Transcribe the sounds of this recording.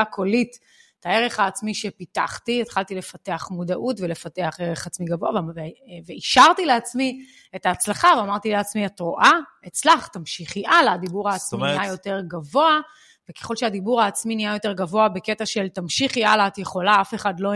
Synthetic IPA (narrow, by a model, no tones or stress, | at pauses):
akʰo̞lit | tae̞ʁe̞χaːt͡smiʃe̞pita̰χtiet̪χalt̪ile̞fate̞aχmudaʔutve̞lefate̞aχeʁeχat͡smiɡavo̞avveveiʃaʁtile̞at͡smi | e̞taːt͡slaχaveamaʁtileat͡smiatʁoʔa | et͡slaχt̪amʃiχiʔalaːdibuʁhaːt͡sminajo̞te̞ʁɡavo̞a | vekeχo̞lʃead̪ibuʁhaːt͡sminiajo̞te̞ʁɡavo̞abeke̞taʃe̞ltamʃiχialaːt̪je̞χo̞laafe̞χadlo